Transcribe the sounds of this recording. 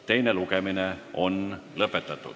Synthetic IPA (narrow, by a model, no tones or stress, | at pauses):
t̪e̞jne̞lukemineʔo̞nlɤpːˑet̪ːˑɑt̪ˑːṵ̥